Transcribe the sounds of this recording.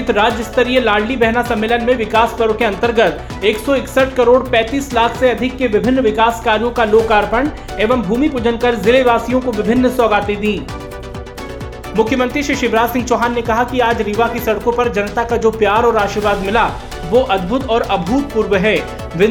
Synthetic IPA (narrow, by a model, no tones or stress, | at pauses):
t̪ɾaːd͡ʒɪst̪əɾielaːɽlibɛɦnasɐ̃mːeːlənmẽʋɪkaːspəɾʋəkeɐ̃nt̪əɾɡət̪ | eːksɔɪksəʈkɐɾoːɽpɛ̃ːt̪iːslaːkʰseɐd̪ʱɪkːeʋɪbʱɪnːʋɪkaːskaːɾijõkaloːkaːɾpəɳ | eːʋəmbʱuːmipʊd͡ʒənkɐɾzɪleʋaːsijõkoʋɪbʱɪnːsɔːɡaːt̪ed̪ĩː | mʊkʰjəmə̃nt̪ɾiʃɪʃɪbɾaːd͡ʒsɪ̃ŋɡ̚t͡ʃɔːɦaːnːekɐɦakiaːd͡ʒɾiʋakisɐɽkõpɐɾd͡ʒɐnt̪akad͡ʒoːpjaːɾɔːɾaːʃiɾʋaːd̪mɪla | ʋoʔɐd̪bʱʊt̪ɔːɾɐbʱuːt̪̚puːɾʋəɦɛː | ʋɪ